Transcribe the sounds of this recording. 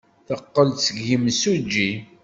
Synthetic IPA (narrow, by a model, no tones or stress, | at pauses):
θəqːəlt͡səɡəmsud͡ʒːi